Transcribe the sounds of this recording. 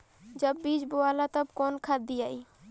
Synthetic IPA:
d͡ʒəbːiːd͡ʒbʊaːlaːt̪əbkoːnkʰaːd̪iːaːiː

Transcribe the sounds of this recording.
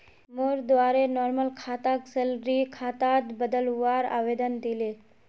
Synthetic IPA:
moɾd̪ʋaɾenɔːɾməlkʰaːt̪aksəlɾikʰat̪at̪bəd̪əlʋaɾa̰ʋed̪ənd̪ile

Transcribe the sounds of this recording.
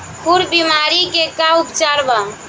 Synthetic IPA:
kʰuɾbimaɾikekaupt͡ʃaɾba

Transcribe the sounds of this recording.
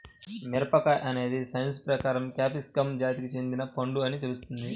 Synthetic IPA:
niɾɐpɐkɐʔɐne̞ːd̪isɐjɐnspɾɐkaːɾɐmkaːpiskɐmd͡ʒaːt̪ikit͡ʃe̞nd̪inɐpɐɳɖuɐnit̪e̞lust̪und̪i

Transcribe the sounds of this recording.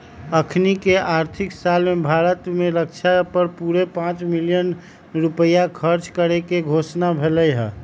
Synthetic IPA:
əkʰnikeʔaɾt̪ʰiksalmebʱaɾət̪mẽɾək̚t͡ʃʰapəɾpuɾepãt͡ʃmilijən | ɾupəjakʰəɾt͡ʃkəɾekeɡʱosnabʱeləjɦɛ

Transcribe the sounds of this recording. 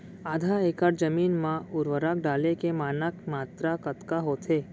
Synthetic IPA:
aːd̪ʱaeːkəɾd͡ʒəmiːnmãʊɾʋəɾak̚ɖaːlekemaːnəkmaːt̪ɾakət̪kaɦot̪ʰeː

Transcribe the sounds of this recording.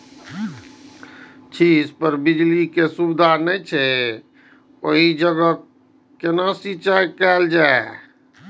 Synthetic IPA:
t͡ʃʰispəɾbid͡ʒlikesubd̪ʱanɛjt͡ʃʰɛ | oɦid͡ʒəɡə | kenasit͡ʃajkɛld͡ʒae

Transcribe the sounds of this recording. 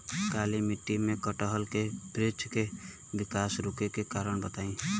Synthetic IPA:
kalimiʈːimẽkəʈəɦəlkebɾed͡ʒke | bɪkasɾukekekaɾəɳbət̪aĩ

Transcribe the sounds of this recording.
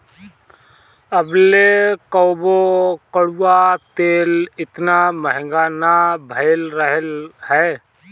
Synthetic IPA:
əblekəʊbokəɽuat̪eːlɪt̪naməɦɪ̃ŋɡaːnabʱəlɾəɦəlhɛː

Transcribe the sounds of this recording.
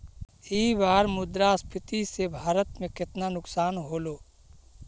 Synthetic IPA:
iːbaːɾmʊd̪ɾaspʰɪt̪isebʱaːɾət̪mẽkɪt̪nanʊksaːnɦoːloː

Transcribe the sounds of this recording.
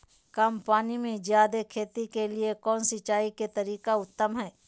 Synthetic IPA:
kaːmpaːnimẽzjaːd̪ekʰeːt̪ikeliekɔːnsɪt͡ʃaːiket̪ɐɾiːkaʊt̪ːəmɦɛː

